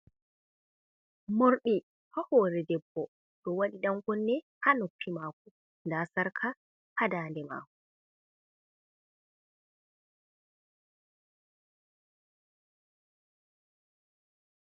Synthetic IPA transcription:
moɾɗi | hahɔːɾɛdɛbːɔ | ɗɔwaɗiɗaŋɡɔnːɛhanupʰːimaːk̚u | ndasaɾkʰa | hadaːndɛma̰ːk̚u

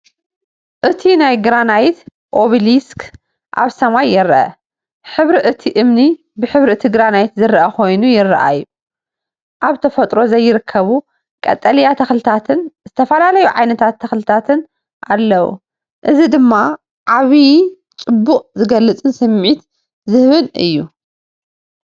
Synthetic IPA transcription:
ʔɨt̪ʰinajɡɾanajt̪ | ʔo̞βilisk | ʔa̰βsɐmajːɪɾʔɐ̰ | ħɨβɾiʔɨt̪ʰiʔɨmni | bɨħɨβɾiɨt̪ʰiɡɾanajt̪zɨrɐʔɐkʰo̞jnujɪrːɐ̰ʔa̰jːu | ʔaβt̪ʰɐfɐt̪ʼɾo̞zɐjːɪɾɨkʰːɐβu | kʼɐ̰t̪ʼːɐljat̪ʰɐxlɨt̪ʰat̪ʰɨnzɨt̪ʰɐfɐlalɐjuʕajnɐt̪ʰat̪ʰːɐxlɨt̪ʰat̪ʰɨn | ʔalːɐwṵ | ʔɨzid̪ɨmːa | ʕaβi | t͡sʼɨbːuqʼzɨɡɐlːɨt͡sʼɨnsɨmʕit̪ | zɨhβɨnɨ̰jːu

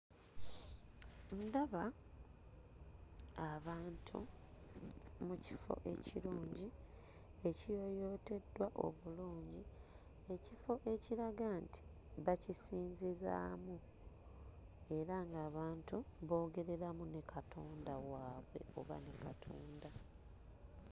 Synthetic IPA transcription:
ndaβa | aβaːntʰṵ | mucifo̞̰ʔe̞̰ciluːɲɟi | e̞cijo̞jo̞te̞dːwaʔo̞̰βuluːɲɟi | e̞cifo̞ʔe̞ciɾaɡantʰi̥ | βacisiːnziza̰ːmu | e̞ɾaŋɡaːβaːntuβo̞ːɡe̞ɾe̞ɾamunekʰatʰoːndawaːβwe̞̰o̞̰βa̰nekatʰoːnda

